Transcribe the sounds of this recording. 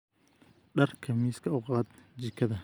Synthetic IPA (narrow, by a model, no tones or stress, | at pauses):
ɖɐrkʰɐmiːskʰɐʊqɑːd̪d͡ʒɪkʰɐðɐ